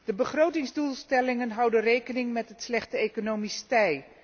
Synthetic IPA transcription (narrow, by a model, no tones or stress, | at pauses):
d̥əbəχrowtɪŋzdulˠstɛlɪŋənɦʌwdənrejkənɪŋmɛtətslɛχtəekonowmistɛj